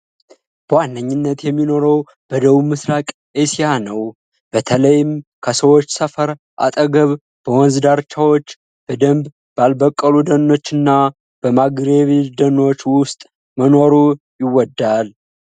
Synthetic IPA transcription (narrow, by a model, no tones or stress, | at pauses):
b̥əwanːəɲːɪnːət̪jɛmːino̞ɾəw | b̥əd̪əβumɨsɾakʼ | ʔesijanəw | b̥ət̪ʰələjɪmkʰəsəwo̞t͡ʃːsəfəɾ | ʔa̰t̪ʼəɡəβ | b̥əwɔnzd̪aɾt͡ʃʰːawo̞t͡ʃː | b̥əd̪əmb | b̥albəkʼːəlud̪ənːo̞t͡ʃːɨnːa | b̥əmaɡɾeβid̪əno̞t͡ʃːwʊst̪ʼ | məno̞ɾu | jɪwːɔd̪ːal